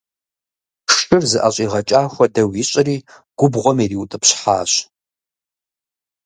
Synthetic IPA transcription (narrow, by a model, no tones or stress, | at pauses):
ʂʼɨrzɨʔaɕʼiːʁɐt͡ʃʼaːxʷɔdɐwiɕʼɪriː | ɡ̥ʷʊbʁʷɔmiriːwtʼɨpɕħa̰ːɕ